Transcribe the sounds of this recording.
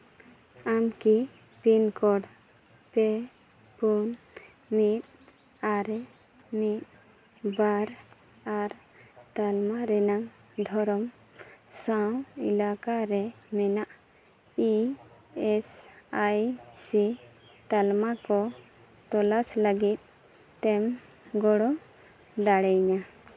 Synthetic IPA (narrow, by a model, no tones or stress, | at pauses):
amki | pinkɔɽ | pe | pun | mit̪̚ | aɾɛ | mit̪̚ | baɾ | aɾ | t̪almaɾɛnaŋ | d̪ʱɔɾɔm | sawḭlakaɾɛmɛnaʔ | i | ɛsajsit̪almakɔ | t̪ɔlasləɡit̪̚ | t̪ɛm | ɡɔɽɔ | d̪aɽɛɲa